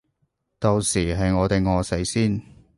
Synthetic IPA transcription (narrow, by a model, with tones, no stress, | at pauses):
t̪o˨wsiː˨˩ɦɐ˨jŋɔː˨˧t̪e˨jŋɔː˨˧se˨˥jsiː˥n